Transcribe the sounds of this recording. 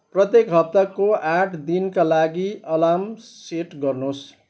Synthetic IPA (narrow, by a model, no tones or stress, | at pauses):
prʌt̪jekɦʌp̚t̪akoʔaʈʰd̪inkalaɡiʔʌlamseʈɡʌrnos